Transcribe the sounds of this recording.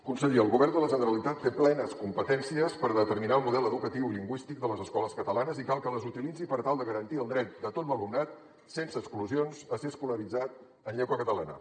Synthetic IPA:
kunsəʎiəlˠɣuβɛrnd̪ələʒənəɾəlit̪at̪feplɛnəskumpət̪ɛnsiəspəɾðət̪əɾminalˠmuðɛləðukət̪iwʎiŋɡwist̪ik̚d̪ələzəskɔləskət̪əlanəzikalˠkələzut̪ilid͡zipəɾt̪alˠd̪əɣəɾənt̪iəlˠd̪ɾɛt̪̚d̪ət̪ot̪̚bəlumnat̪̚ | sensəkskluzionzəseəskuləɾid͡zat̪̚ | ənʎɛɣwəkət̪əla̰nə̰

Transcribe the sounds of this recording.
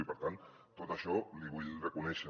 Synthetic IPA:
ipəɾt̪an | t̪ot̪əʃɔliβ̞uʎrəkunɛʃə

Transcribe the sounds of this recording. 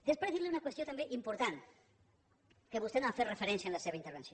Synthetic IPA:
d̪espeɾeθiɾleunakwesot̪ambeʔimpoɾt̪an | keβust̪enoafet̪refeɾɛnsjaenlaseβ̞eint̪eɾβensjo

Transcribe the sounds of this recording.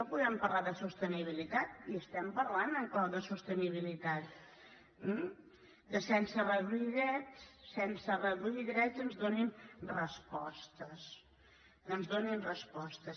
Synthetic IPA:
nopuðɛmpəɾlaðəsust̪əniβ̞ilit̪at̪iəst̪ɛmpəɾlanəŋklawðəsust̪əniβilit̪at̪̚ | m̩ | d̪əsɛnsərəðɾuiðɛt̪sɛnsərəðɾuʎiðɾɛtənzðoninrəspɔst̪əs | ənzðoninrəspɔst̪əs

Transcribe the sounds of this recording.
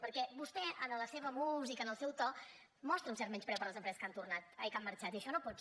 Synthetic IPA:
pəɾkɛbust̪ɛʔənələseβəmuzikənəlˠsɛwt̪ɔ | mɔst̪ɾəunsɛɾt̪mɛnspɾɛwpəɾləzəmpɾɛzəskant̪urnat̪ajkamːəɾt͡ʃat̪iəʃɔnopɔs

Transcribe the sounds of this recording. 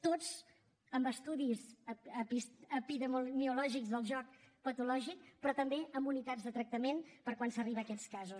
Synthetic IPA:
t̪oz | əmbəst̪uðizəisəpiðəmumiulɔʒikzðəlˠʒɔk̚pət̪ulɔʒik̚pɾɔt̪əmbeʔəmbunit̪azðət̪ɾək̚t̪əmenpəɾkwansəriβəkɛskazus

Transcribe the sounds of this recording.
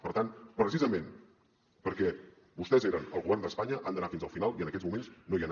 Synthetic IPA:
pəɾt̪anpɾəsizəmen | pəɾkɛ | βust̪ɛzeɾənəlˠɣuβɛrnd̪əspaɲəʔand̪ənafinzəlˠfinalˠiənəkɛzmumenznoiən

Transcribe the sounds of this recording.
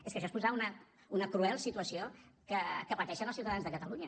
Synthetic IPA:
eskəʃɔespuzaunə | unəkɾuɛlˠsit̪uəsiokəkəpət̪ɛʃənəlˠsiwt̪əðanzðəkət̪əluɲə

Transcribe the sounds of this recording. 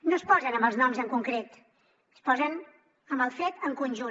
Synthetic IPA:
nospɔzənəmbəlˠznɔmzəŋkuŋkɾet̪ | spɔzən | əmbəlˠfet̪əŋkunʲʒu

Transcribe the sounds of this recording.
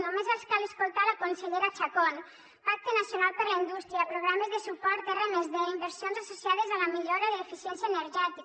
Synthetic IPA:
nomezβaskaleskolˠt̪aɾlakonseʎeɾat͡ʃakon | pak̚t̪enasjonalpeɾlaind̪ust̪ɾiapɾoɣɾamezðesupɔɾt̪erenezðeimbeɾsjonzasosjað̞ezalamiʎoɾaðelefisjɛnsjaeneɾʒɛt̪i

